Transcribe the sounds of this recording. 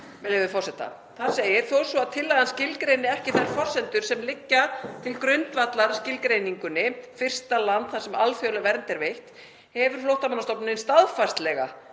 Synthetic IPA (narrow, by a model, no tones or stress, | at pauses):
mɛlɛvɪfɔrsɛt̪a̰ | θaðseːjɪɾ̥θowɛɾ̥sɔaðt̪ʰɪlːaðanscɪlkɾejnɪɛhcɪθaɾfɔr̥sɛnt̪ʏɾ̥sɛmlɪcːat̪ʰɪlkɾʏnt̪vat̪laɾscɪlkɾejniŋkʏnːɪfɪr̥st̪alant̪θasɛmalfjowlavɛɾnt̪ɛɾvejht̪ | hɛvʏɾ̥flowht̪amanːast̪ɔpnɪnst̪aðfast̪lɛɣa̰